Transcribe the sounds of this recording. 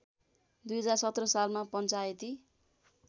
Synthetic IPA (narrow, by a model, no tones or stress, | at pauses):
d̪ujɦʌd͡zarsʌt̪rʌsalmapʌnt͡sajet̪i